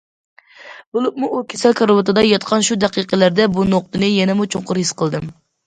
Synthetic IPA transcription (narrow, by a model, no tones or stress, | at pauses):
b̥olˠup̚muʔːkʲʰesælkʰɑɾbɑt̪ɨd̪ɑjɑt̪qʰɑnʃud̪æqiqəlæɾd̪ɛbunoq̚t̪ɨnɨjɛnɛmut͡ʃʰoɴqʊɾhisqəlˠd̪ɨm